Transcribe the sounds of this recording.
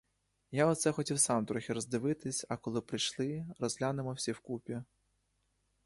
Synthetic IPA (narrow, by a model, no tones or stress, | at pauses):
jaɔt̪sɛxɔtʲiwsɑmt̪ɾɔxʲiɾɔzd̪ɪʋɪt̪ɪsʲɐkɔlˠɪpɾɪjʃlˠɪɾɔzʲlʲanɪmɔwsʲiwkupʲi